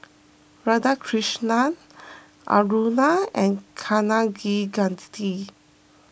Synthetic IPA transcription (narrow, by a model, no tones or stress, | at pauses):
ɹadakʰɹiʃnan | ʔa̰ɹunaɛ̃nkʰanaɡiɡãnt̪i